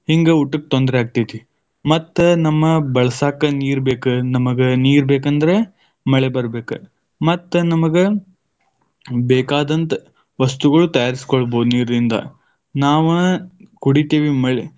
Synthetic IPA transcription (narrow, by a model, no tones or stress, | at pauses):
hiŋɡeuʈːɐkːe̥t̪ond̪ɾeɦaːɡ̚t̪ijt̪i | mɐt̪ːɐnɐmːɐbɐɭɐsaːkɐniːɾbe̞ːkɨnɐmɐɡeniːɾbeːkɐnd̪ɐɾe | mɐɭebɐɾbe̞ːkɨ | mɐt̪ːnɐmɐɡe | beːkaːd̪ɐnt̪ɐ | ʋɐst̪uɡɐɭut̪ɐjaːɾisi̥koɭboːd̪uniːɾɐd̪ind̪ɐ̰ | naːʋɐnɐkuɽit̪iʋimɐɭe